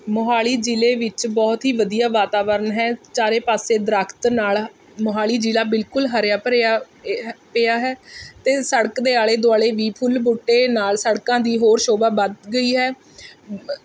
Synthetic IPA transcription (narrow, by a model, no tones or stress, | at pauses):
mʊɦaːliːd͡ʒiːleːʋɪt͡ʃbɔːt̪ɦiːʋəd̪ijaːʋaːt̪aːʋəɾənɦɛːt͡ʃaːɾeːpaːseːd̪əɾəːkʰt̪naːl | mʊɦaːliːd͡ʒiːlaːbɪlkʊlɦəɾjaːpɾa | peːaːɦɛːt̪eːsəɽəkd̪eːaːɭeːd̪ʊaːɽeːʋiːpʰʊlbuːʈːeːnaːlsəɽkãːd̪iːɦoːɾʃoːbaːbəd̪ɡəiːɦɛː